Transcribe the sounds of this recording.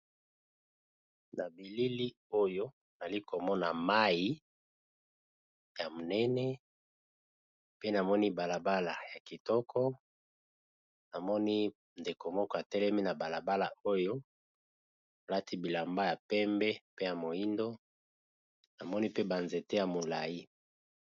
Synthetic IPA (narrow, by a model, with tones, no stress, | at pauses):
na˨bi˨li˦li˦ | o˦jo˦ | na˨li˦ko˨mɔ˦na˨ma˦ji˦ | ja˨mo˨nɛ˦nɛ˦ | pe˦na˨mɔ˦ni˦ba˨la˨ba˦la˨ja˨ki˨tɔ˦kʰɔ˦ | na˨mɔ˦ni˦ | nde˨ko˨mɔ˦kɔ˦a˨tɛ˦lɛ˦mi˦na˨ba˨la˨ba˦la˨o˦jo˦ | na˨la˦tʰi˦bi˨la˨mba˦ja˨pɛ˦mbɛ˦pe˦ja˨mo˨i˦ndo˦ | na˨mɔ˦ni˦pe˦ba˨nze˨te˦ja˨mo˨la˨i˦